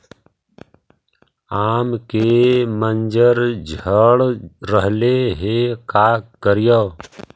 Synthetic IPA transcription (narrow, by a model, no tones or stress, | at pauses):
aːmkemənd͡ʒəɾd͡ʒʱəɽːəɦleɦeːkaːkəɾɪjoː